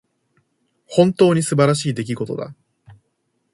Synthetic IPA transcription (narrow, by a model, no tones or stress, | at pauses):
hõ̞nt̪o̞ːɲ̟isɨbaɾaɕiːd̪e̞k̬ʲiɡo̞t̪o̞̰d̪a̰